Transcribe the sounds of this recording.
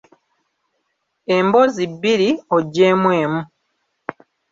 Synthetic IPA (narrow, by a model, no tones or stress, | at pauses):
embo̞ziβːiɾio̞ɟːe̞ːmwe̞ːmu